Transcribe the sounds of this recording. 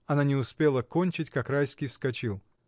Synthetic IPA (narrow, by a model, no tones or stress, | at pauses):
ɐnanʲɪʊspʲe̞lˠəko̞nʲt͡ɕɪtʲkakrajskʲɪjfskɐt͡ɕilˠ